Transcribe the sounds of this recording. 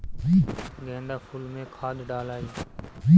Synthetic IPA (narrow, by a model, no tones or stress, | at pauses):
d͡ʒiːɡẽːnd̪aːfʰulmẽːkʰaːd̪ʱɖaːlaːiːiː